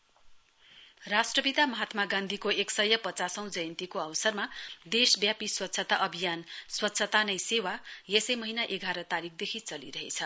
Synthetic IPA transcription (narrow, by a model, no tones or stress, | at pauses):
rasʈrʌbid̪amʌɦat̪maɡãnd̪ʱikoeksʌjʌpʌt͡sasʌ̃w̃d͡zʌjʌnt̪ikoʌwʌsʌrmad̪esbjapiswʌt̪ːsʰʌt̪aʔʌbʱijanswʌtːsʰʌt̪anʌjsewajesʌjmʌɦinaʔeɡʱaɾʌt̪aɾik̚ʰd̪ekʰit͡sʌlḭɾʌɦḛt͡sʰʌ